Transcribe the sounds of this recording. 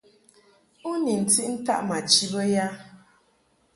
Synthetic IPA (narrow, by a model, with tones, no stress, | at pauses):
u˦ni˨n̩˨ti˦ʔn̩˦ta̰˦ʔma˨t͡ʃi˦bə˦ja˦